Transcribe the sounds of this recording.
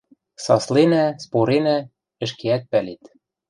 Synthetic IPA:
sɑslenæspoɾenæ | ɘ̆ʃ̬keæt̪̚pælet̪

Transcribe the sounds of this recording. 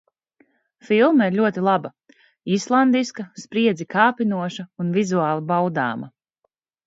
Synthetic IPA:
filˠmaiɾʎʲuɔt̪ilˠabɐ | islˠand̪iskɐspɾiɛd̪zikaːpinuɔʃɐunvizuaːlˠibawd̪a̰ːmɐ̰

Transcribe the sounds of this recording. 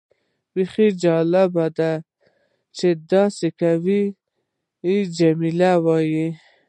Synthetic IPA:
biχid͡ʒɑlabad̪a | t͡ʃed̪ɑsekawi | d͡ʒamilawɑji

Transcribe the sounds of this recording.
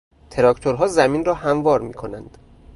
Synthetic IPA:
t̪ʰe̞ɾɒkʰt̪ʰoɾɦɒːzæmiːnrɒːhæmvɒːɾmḭːkʰo̞nænd̪̥

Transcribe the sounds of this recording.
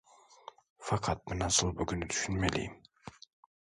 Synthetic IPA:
fɑqʰɑt̪̚minɑsɯlˠbuɡynyt̪ʰy̥ʃynmelʲḭːm

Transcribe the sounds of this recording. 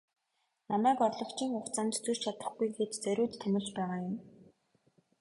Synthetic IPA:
namæːkɔrɮɞ̆kt͡ɕʰiːŋχʊχt͡saːnt̪t͡surt͡ɕʰat̪ə̥̆χɡujɡeːt͡ɕt͡sæɾʲʊːt̪tʰːæmʲɪ̆t͡ɕpæːʁaːjʊm

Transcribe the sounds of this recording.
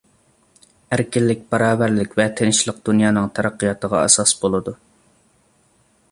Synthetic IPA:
æɾkʲɪlːɪk̚ʲbɑɾɑːbæɾlɪkʲvɛt̪ʰenɪʃlˠəq̚d̪̥unjɑːnɨŋt̪ʰɑɾɑqːijɑt̪ʰəʁɑ̰ɛ̰sɑsbolˠɨd̪u

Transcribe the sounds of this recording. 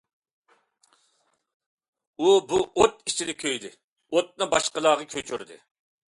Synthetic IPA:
ubuʔot̪it͡ʃʰid̪ɛkʲʰøjd̪ɪ | ot̪̚nɨbɑʃqəlˠɑːʁəkʲʰøt͡ʃʰyɾd̪ɪ̰

